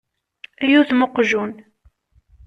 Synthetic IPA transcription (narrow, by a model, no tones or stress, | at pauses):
æjuθmoqʒun